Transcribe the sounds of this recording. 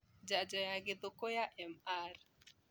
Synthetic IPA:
d͡ʒad͡ʒɔjaɡɪd̪okojaʔɛmar

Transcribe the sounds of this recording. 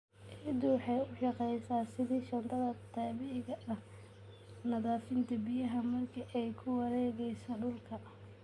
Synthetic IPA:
ʔɪd̪ʊwħɑjʊʃɑqɛjsaːsɪðiːʃɐnt̪ʰɐðɐt̪ʰɑːβɪʕɪɣɐʔɐh | nɐðaːfɪnt̪ʰɐbɪjɐɦɐmɐrkʰiʔɛjkʰʊwɐɾɛːɣɛjsɔɖʊlkʰɐ

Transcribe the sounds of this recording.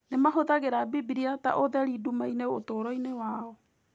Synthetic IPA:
nemaɦoðaɣeɾabibiɾiata̰ʔoðɛɾidumaineotoɾɔinewaɔ

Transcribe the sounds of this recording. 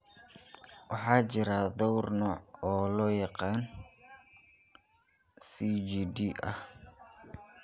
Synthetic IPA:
wɑħɑːt͡ʃɪɾad̪ɔwrnɔːɔːlɔjɑqɑːn | sid͡ʒid̪iʔɐ̰h

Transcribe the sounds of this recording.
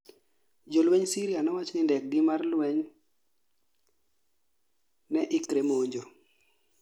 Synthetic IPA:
d͡ʒolweɲsiɾijanɔwat͡ʃnɪndɛk̚ɡimarlwɛɲ | nɛʔɪkɾemoɲd͡ʒo

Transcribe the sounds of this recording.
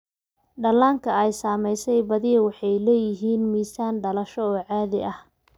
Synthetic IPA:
ɖɐlaːŋkʰɐɛjsaːmɛjsɛjbɐðɪɐwɑħɑjlɛːjɪɦiːnmiːsaːnɖɐlɐʃɔɔːʕɑːðɪʔɐh

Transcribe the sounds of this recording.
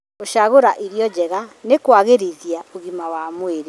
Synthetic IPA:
oʃaɣoɾaʔiɾiɔd͡ʑɛɣanekwaɣeɾiðiaoɣimawamweɾe

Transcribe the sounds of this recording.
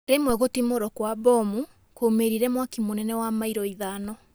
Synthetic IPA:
ɾemwɛɣotimoɾɔkwabɔmu | komeɾiɾɛmwakimonɛnɛwamaiɾɔiðanɔ

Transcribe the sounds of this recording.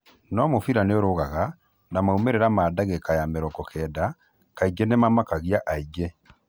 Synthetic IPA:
nɔmofiɾaneɔɾoɣaɣa | namaumeɾɛɾamaːdaɣɛkajameɾɔkɔkʰɛːda | kaiɡɛnemamakaɣiaʔaiɡɛ

